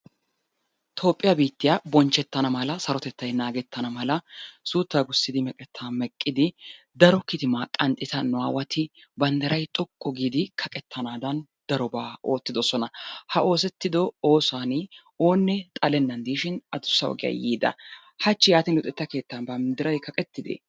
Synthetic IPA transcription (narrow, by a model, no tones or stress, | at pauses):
t̪ʰo̞ːpʼːɪjɐbiːt̪ːɪjaːbɔnt͡ʃːɛt̪ːɐnɐmɐlɐsɐɾɔt̪ɛt̪ːɐjnaːɡɛt̪ːɐnɐmɐlɐsuːt̪ːaːɡʊsːɪd̪ɪmɛkʼɛt̪ʰːaːmɛkʼːɪd̪ɪ | d̪ɐɾɔkɪt̪ɪmaːkʼɐnt̪ʼːɪt̪ɐnʊa̰ːwɐt̪ʰɪbɐnd̪ɐɾɐjt̪ʼɔkʼːɔɡiːd̪ɪkʰɐkʼɛt̪ʰːɐnaːd̪ɐn | d̪̥ɐɾɔbaːo̞ːt̪ːɪd̪ɔsɔnɐhɐʔo̞ːsɛt̪ːɪd̪ɔo̞ːsaːnɪ | o̞ːnːɛt̪ʼɐlɛnːɐnd̪iːʃɪnɐd̪ʊsːɐɔ̰ɡɪjɐ̰jiːd̪ɐ̰ | hɐt͡ʃːɪjaːt̪ɪnlʊt̪ʼːɛt̪ːɐke̞ːt̪ːɐnbɐmd̪ɪɾɐjkʰɐkʼɛt̪ːɪd̪ḛ